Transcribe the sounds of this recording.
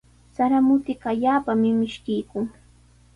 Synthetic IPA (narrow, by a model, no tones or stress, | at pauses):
saɾamʊt̪ɪkaʎaːpamɪmɪʃkɪjkʊŋ